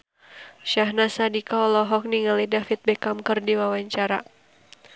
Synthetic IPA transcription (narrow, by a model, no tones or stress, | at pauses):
ʃaɦnasadikaɔlɔɦɔk̚niŋalidafit̪̚bɛkamkɨrdiwawaɲt͡ʃaɾa̰